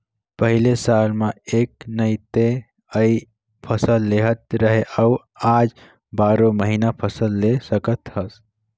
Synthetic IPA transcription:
pəɦilesaːlmẽeːknəit̪e | əi | pʰəsəlːeɦət̪ɾəɦeʔəu | aːd͡ʒ | baːɾõməɦinapʰəsəlːesəkət̪ɦəs

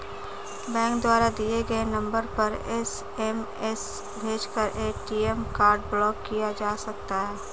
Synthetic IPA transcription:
bɛ̃ːŋkd̪waːɾad̪ieɡəenɐ̃mbəɾpɐɾɛs | ɛm | ɛs | bʱeːd͡ʒkəɾʔeːʈiːemkaːɾɖblɔːkːijad͡ʒaːsɐk̚t̪aɦɛː

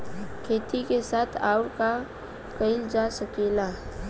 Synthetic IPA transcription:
kʰeːt̪ikesaːt̪ʰaːʊɾka | kəɪld͡ʒasəkeːla

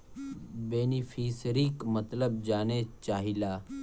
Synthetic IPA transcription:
beːnifʰiːsɾikmət̪ləb̚d͡ʒaːnet͡ʃaːɦilaː

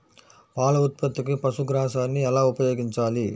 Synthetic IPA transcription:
paːlɐʊt̪̚pɐt̪ːɯk̬ːɯpɐsuɡɾaːsaːnːiɛlaːʊpɐjoːɡɪɲt͡ʃaːli

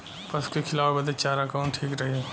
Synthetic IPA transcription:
pɐskikʰɪlaːwbɐd̪et͡ʃaːɾakaːʊ̃ɳʈʰiːkɾɐɦiɦɛ

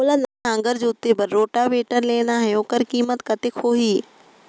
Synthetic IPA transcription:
olanaãːŋɡəɾd͡ʑoʊt̪ːebəɾːoːʈaʋeːʈəɾleːɽaɦɛoːkəɾkiːmət̪kɐt̪ekʰoːɦiː

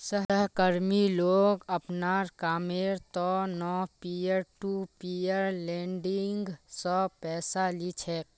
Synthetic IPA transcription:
səɦəɦkəɾmiloːɡəpnaːɾkaːmeɾt̪ɔnɔpijəɾʈupijəɾlɛ̃ːɳɖiŋɡsɔpɛːsalit͡ʃʰɛːk

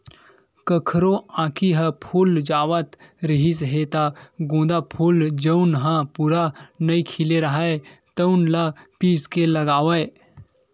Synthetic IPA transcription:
kəkʰɾoãːkʰiɦəpʰuːld͡ʒaːʋət̪ɾəɦis̬əɦeːt̪aɡõːd̪apʰuld͡ʒəʊnɦãpuːɾanɐikʰɪleɾɐɦaet̪əʊnlɐpiːskelɐɡaːʋəe

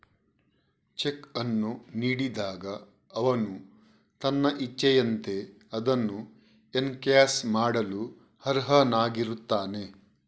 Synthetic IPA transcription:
t͡ʃekɐnːuniːɽid̪aːɡɐː | ʋɐnu | t̪ɐnːɐʔit͡ʃːɐjɐnt̪e̞ | ɐd̪ɐnːu | enkjaːsmaːɽɐlu | hɐɾɦɐnaːɡiɾut̪ːaːne̞

